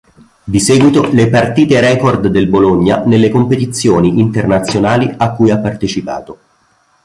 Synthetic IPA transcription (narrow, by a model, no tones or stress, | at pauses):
d̪isɛːɡwit̪olepart̪iːt̪eɾɛːkord̪ːelboloɲːanelːekompet̪it̪sːjoːniint̪ernat̪sːjonaːliakːujapːart̪et͡ʃipa̰ːt̪o